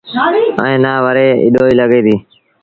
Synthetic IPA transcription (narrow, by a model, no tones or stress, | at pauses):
ə̰ẽːnaːʋəɾeːɪ̰ɗoːiːləɠeːd̪iː